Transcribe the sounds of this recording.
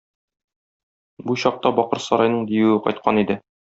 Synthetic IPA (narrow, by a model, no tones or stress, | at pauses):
buɕɒq̚t̪ɑbɒqɤɾsɒɾɑjnɤɴd̪ijɘwɘqɒ̰jt̪̚qɑnid̪ɘ